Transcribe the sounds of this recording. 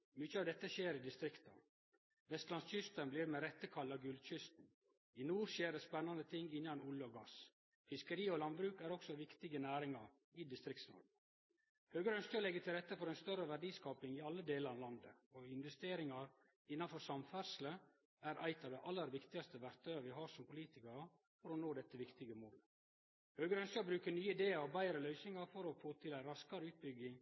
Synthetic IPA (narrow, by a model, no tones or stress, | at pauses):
mʏt͡ʃəɑːʋd̪ɛt̪ːəʃeːɾɪd̪ɪst̪ɾɪkt̪ɑ̰ | ʋɛst̪lɑnsçʏst̪ənbliːɾmɛɾɛt̪ːəkʰɑlːɑɡʉld̪çʏst̪n̩ | ɪnuːɾʃeːɾəspɛnːɑnət̪ʰɪŋːɪnːɑnʊləɔɡɑs | fɪskəɾiːɔlɑnbɾʉːkæɾɔksɔʋɪkt̪ɪɡənæːɾɪŋɑɾ | ɪd̪ɪst̪ɾɪkt̪snɔ̰ɾɡə | høːɡəɾəœnskəɔlɛɡːət̪ʰɪlɾɛt̪ːəfɔɾæɪnst̪œɾəʋæɖiːskɑːpɪŋɪɑlːəd̪eːləɾɑʋlɑnd̪ə̰ɔɪnʋɛst̪eːɾɪŋɑɾ | ɪnːɑnfɔɾsɑmfæɾʂl̩ə | æɾʔæ̰ɪt̪ɑʋd̪æɪʔɑlːəɾʋɪkt̪ɪɡɑst̪əʋæɾt̪ʰœʏəɾʋɪɦɑːʂɔmpʊliːt̪ɪkɑɾə | fɔɾɔnoːd̪ɛt̪ːəʋɪkt̪ɪɡəmoːl | høːɡəɾəœnskəbɾʉːkənyːəɪd̪eːəɾɔbæɪɾəlœʏsnɪŋɑɾfɔɾɔfoːt̪ʰɪlæɪɾɑskɑɾəʉːt̪̚bʏɡɪŋ